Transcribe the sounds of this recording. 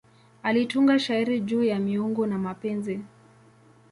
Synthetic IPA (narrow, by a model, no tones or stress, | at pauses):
alituŋɡaʃaiɾid͡ʒuːjamiuŋɡɔnamapɛnzi